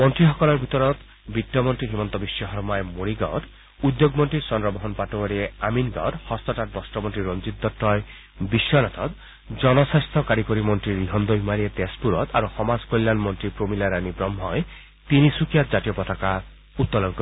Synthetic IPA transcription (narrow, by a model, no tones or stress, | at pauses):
mɔnt̪ɾiɦɔkɔlɔɾbʱit̪ɔɾɔt̪ | bitːjɔmɔnt̪ɾiɦimɔnt̪ɔbisjɔɦɔɾmaemoɾiɡɔ̰d̪ | ud̪joɡmɔnʈɾisɔnɾɔbɔɦɔnpaʈɔɔɾieaminɡɔ̰ɾhɔst̪ɔʈat̪̚bɔsʈɔmɔnt̪ɾiɾɔnd͡ʒit̪̚ːɔʈːɔje | bisɔnɔt̪ʰɔt̪ | d͡ʒɔnɔsast̪ʰɔkaɾikɔɾimɔnt̪ɾiɾiɦɔnd̪ɔbʱimaɾiet̪espuɾɔt̪aɾuxɔmaskojlːanmɔnt̪ɾipɾomilaɾanibɾɔmɦɔj | t̪inisukijat̪d͡ʒatijɔpɔt̪ʰaka | ut̪ːɔlɔŋkɔ